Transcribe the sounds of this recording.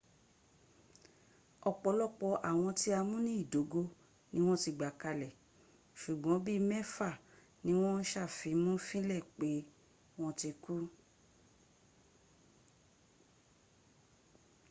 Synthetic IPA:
ɔ˧˨k͡pɔ˧˦lɔ˦˨k͡pɔ˧ʔa˨w̃ɔ̃˧ti˦a˧mũ˦nĩ˦i˦˨do˨˦ɡo˧ | nĩ˦w̃ɔ̃˦ti˧ɡ͡ba˨ka˧lɛ˨ | ʃu˨ɡ͡bɔ̃˨˦bi˦mɛ˦fa˦˨ | nĩ˨˦w̃ɔ̃˦ʃa˦˨fi˨˦mũ˦fĩ˦lɛ˦˨k͡pe˨˦ | w̃ɔ̃˦ti˧ku˦

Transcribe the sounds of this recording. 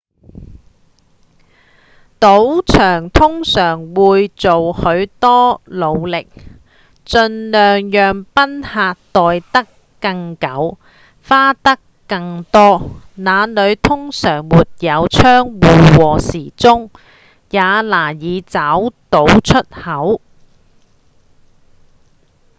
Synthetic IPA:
t̪o˨˥wt͡ʃʰœː˨˩ŋt̪ʰʊ˥ŋsœː˨˩ŋwuː˨˧jt͡so˨whɵ˨˧˥ɥt̪ɔː˥lo˨˧wlɪ˨k̚ | t͡sɵ˧nlœː˨ŋjœː˨ŋpɐ˥nhaː˧t̚t̪ɔː˨jt̪ɐ˥kː | ɐ˧ŋkɐ˨˥w | faː˥t̪ɐ˥kːɐ˧ŋt̪ɔː˥ | naː˨˧nɵ˨˧ɥt̪ʰʊ˥ŋsœː˨˩ŋmuː˨t̚jɐ˨˧wt͡ʃʰœː˥ŋwuː˨wɔː˨siː˨˩t͡sʊ˥ŋ | jaː˨˧laː˨˩jiː˨˧t͡saː˨˥wt̪o˨˥wt͡ʃʰɵ˥t̚hɐ˨˥w

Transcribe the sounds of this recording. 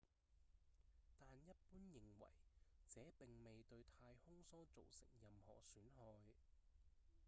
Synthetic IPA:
t̪aː˨njɐ˥t̚puː˥njɪ˨ŋwɐ̰˨˩jt͡sɛː˨˦pɪ˨ŋme˨jt̪ɵ˧ɥt̪ʰaː˧jhʊ˥ŋsɔː˥t͡so˨wsɪ̰˨˩ŋjɐ˨mhɔ̰ː˨˩syː˨˥nɦɔː˧j

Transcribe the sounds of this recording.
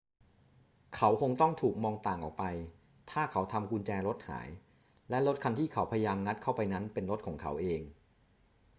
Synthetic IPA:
kʰa˨˦˥wkʰo˧ŋt̪ɔ˥˩ŋt̪ʰuː˨˩k̚mɔː˧ŋt̪aː˨˩ŋʔɔː˨˩k̚pa˧j | t̪ʰaː˥˩kʰa˦˥wt̪ʰa˧mkʰu˧nt͡ɕɛː˧ɾo˦˥t̪̚ha̰ː˩˦j | lɛ˦˥lo˦˥t̪̚kʰa˧nt̪ʰiː˥˩kʰa˦wpʰa˧jjaː˧mŋa˦˥t̪̚kʰa˥˩wpa˧jna˦˥npe˧nɾo˦˥t̪̚kʰɔː˩˦ŋkʰa̰˩˦˥wʔeː˧ŋ

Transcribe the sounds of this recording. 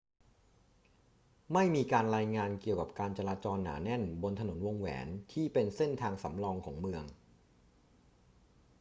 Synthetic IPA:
ma˥˩jmiː˧kaː˧nɾaː˧jŋaː˧nki˨˩əwka˨˩p̚kaː˧nt͡ɕa˧ɾaː˧t͡ɕɔː˧nːa̰ː˩˦nɛ˥˩nbo˧nt̪ʰa˧no˩˦nwo˧ŋwɛ̰ː˩˦nt̪ʰiː˥˩pe˧nse˥˩nt̪ʰaː˧ŋsa̰˩˦mɾɔː˧ŋkʰɔː˩˦ŋmɯ˧əŋ

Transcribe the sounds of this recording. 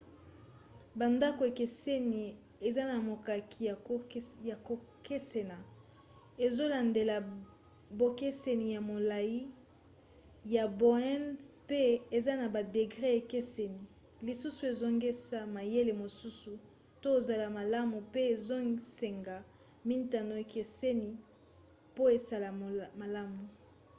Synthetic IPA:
ba˨nda˦ko˨e˨ke˨se˦ni˨ | e˨za˦na˨mo˨ka˨kʰi˨˦ja˨ko˨ke˦se˨na˨ | e˨zo˦la˨nde˨la˨ | bo˨ke˦se˨ni˨ja˨mo˨la˨ji˦ | ja˨bo˨ɛ˦npe˦e˨za˦na˨ba˨de˨ɡʁɛ˦e˨ke˦se˨ni˨ | li˨su˦su˨e˨zo˦ŋɡe˦sa˦ma˨je˦le˨mo˨su˦su˨ | to˦o˨za˨la˨ma˨la˦mu˨pe˦e˨zo˦se˨ŋɡa˨ | mi˦nta˨no˨e˨kʰe˨se˦ni˨ | po˦e˨sa˦˨la˨ma˨la˦mu˨

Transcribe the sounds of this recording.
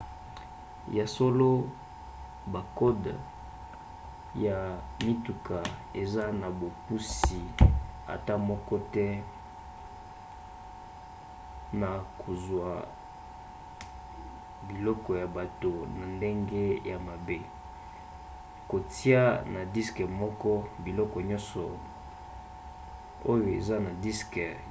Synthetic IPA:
ja˨so˦lo˦ | ba˨kɔ˦d | ja˨mi˦tu˨ka˨e˨za˦na˨bo˨pu˦si˨a̰˨ta˦mɔ˦kɔ˦tɛ˦ | na˨kʰo˨zwa˨ | bi˨lɔ˦kɔ˨ja˨ba˨to˨na˨nde˦ŋɡe˦ja˨ma˨be˦ | ko˨ti˦a˦na˨di˦skɛ˨mɔ˦kɔ˦bi˨lɔ˦kɔ˨ɲɔ̃˦nsɔ˨ | o˦jo˨ḛ˨za˦na˨di˦skɛ˨

